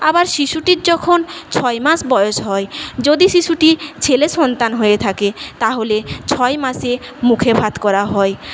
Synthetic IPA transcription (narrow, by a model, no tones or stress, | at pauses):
abaɾʃiʃuʈiɾd͡ʑɔkʰont͡ɕʰɔemaʃbɔjoʃɦɔed͡ʑod̪iʃiʃuʈit͡ɕʰeleʃɔnt̪anɦojet̪ʰaket̪aɦolet͡ɕʰɔemasemukʰebʱad̪kɔɾaɦɔe